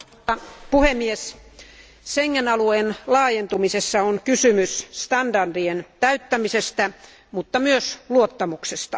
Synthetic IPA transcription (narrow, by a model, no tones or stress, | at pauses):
ɑpuhemːies | seŋːenɑlueːnlɑːjent̪umisesːɑoŋkysymysst̪ɑndɑrdient̪æyt̪ːæmisest̪æ | mut̪ːɑmyøsluot̪ːɑmuksest̪ɑ